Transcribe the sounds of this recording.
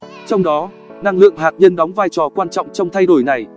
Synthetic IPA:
t͡ɕɔ˧wŋ͡mɗɔ˨˦ | na˧ŋlɨ̰˧˨əŋɦaː˨˩t̚ɲə˧nɗɔ˨˦wŋ͡mvaː˧jt͡ɕɔ˨˩kwaː˧nt͡ɕɔ̰˧˨wŋ͡mt͡ɕɔ˧wŋ͡mt̪ʰa˧jɗo˧˩jna˨˩j

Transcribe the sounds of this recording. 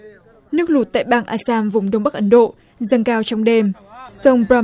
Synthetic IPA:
nɨ˦˥ək̚lu˨˩t̚t̪a̰ː˧˨jɓaː˧ŋʔaː˧saː˧mvʊ˨˩wŋ͡mɗə˧wŋ͡mɓa˦˥k̚ʔə˨˦nɗo̰˧˨ | zə˧˩ŋkaː˧wt͡ɕɔ˧wŋ͡mɗe˧msə˧wŋ͡mbɹa˧

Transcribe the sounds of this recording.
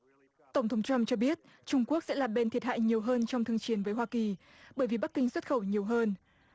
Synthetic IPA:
t̪ə˧˩wŋ͡mt̪ʰə˨˦ŋ͡mt͡ɕwa˧mt͡ɕɔ˧ɓi˦˥ət̚ | t͡ɕʊ˧ŋ͡mku˦˥ək̚sɛ̰˧˥laː˨˩ɓe˧nt̪ʰi˨˩ət̚ɦa̰ː˧˨jɲi˨˩əwɦəː˧nt͡ɕɔ˧wŋ͡mt̪ʰɨ˧əŋt͡ɕi˨˦ənvəː˨˦jɦwaː˧ki˨˩ | ɓəː˧˩jvi˨˩ɓa˦˥k̚ːï˧ŋswə˦˥t̚xə˧˩wɲi˨˩əwɦəː˧n

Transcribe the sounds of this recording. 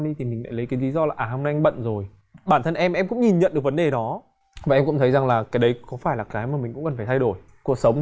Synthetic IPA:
ɗi˧t̪ʰi˨˩mï˨˩ŋ̟la̰ː˧˥jlə˨˦jkaː˨˦jli˨˦zɔ˧laː˨˩ʔaː˨˩hə˧wŋ͡mna˧ʔŋ̟ɓə̰˧˨nzo˨˩j | ɓaː˧˩nt̪ʰə˧nʔɛ˧mʔɛ˧mkʊ̰˧˥ŋ͡mɲi˨˩nɲə̰˧˨nɗɨ˨˩əkvə˨˦nɗe˨˩ɗɔ˨˦ | vaː˨˩ʔɛ˧mkʊ̰˧˥ŋ͡mt̪ʰjza˨˩ŋlaː˨˩kaː˨˦jɗə˨˦jkɔ˨˦faː˧˩jlaː˨˩kaː˨˦jmaː˨˩mi˨˩ŋ̟kʊ̰˧˥ŋ͡mkə˨˩faː˧˩t̪ʰa˧jɗo˧˩j | ku˨˩ək̚sə˨˦wŋ͡m

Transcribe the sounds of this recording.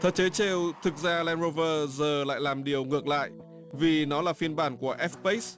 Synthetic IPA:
t̪ʰə̰˨˩t͡ɕe˨˦t͡ɕe˧wt̪ʰɨ˨˩k̚zaː˧lɛ˧nzo˧vəː˧zəː˨˩la̰ː˧˨jlaː˨˩mɗi˨˩əwŋɨ˨˩ək̚la̰ː˧˨jʔ | vi˨˩nɔ˨˦laː˨˩fi˧ənɓaː˧˩nku˧˩əʔɛ˦˥fpe˦˥s

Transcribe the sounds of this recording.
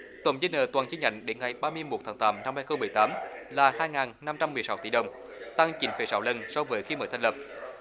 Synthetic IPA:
t̪ə̰˨˧˩ŋ͡mzəː˨˧˦nəː˨˩t̪waː˨˩nt͡ɕi˧˦ɲa̰˧˨jŋ̟ɗe˨˦nŋa˨˩jɓaː˧mɨ˧əjmo˨˩t̚t̪ʰaː˨˦ŋt̪aː˨˦mna˧mhaː˧jxə˧ŋ͡mmɨ˨˩əjt̪aː˨˦mlaː˨˩haː˧jŋaː˨˩nna˧mt͡ɕa˧mːɨ˨˩əjsa˨˦wt̪ḭ˧˩ɗə˨˩wŋ͡m | t̪a˧ŋt͡ɕi˨˦nfe˨˩˦sa˨˦wlə˧nsɔ˧wvəː˨˦jxi˧məː˨˩t̪ʰa˧˩ŋlə˨˩p̚

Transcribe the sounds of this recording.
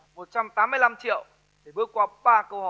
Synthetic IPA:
mo˨˩t̚t͡ɕa˧mt̪aː˨˦mɨ˧əjla˧mt͡ɕḭ˧˨əw | ɗe˧˩ɓɨ˨˦˥əkwaː˧ɓaː˧kə˧whɔ̰˧˨˩

